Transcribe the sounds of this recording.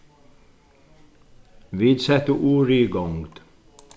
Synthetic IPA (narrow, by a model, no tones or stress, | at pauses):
viːd̪sɛt̪ːəʔuːɾiːɡɔŋɡd̪̥